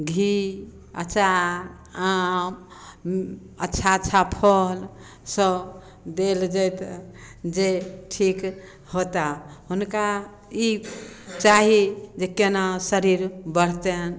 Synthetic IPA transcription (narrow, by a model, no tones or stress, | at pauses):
ɡʱi | ətːʃʰa | am | ətːʃʰaətːt͡ʃʰapʰəl | sə | d̪eld͡ʒɛt̪ | d͡ʒeʈʰik | hot̪aɦunka | it͡ʃaɦid͡ʒekenasəɾiɾbəɽ̤t̪en